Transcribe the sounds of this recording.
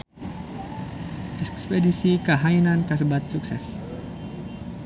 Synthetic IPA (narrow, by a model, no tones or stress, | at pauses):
ʔɛkspedisikəɦainankəs̬əbat̪̚suksɛ̰s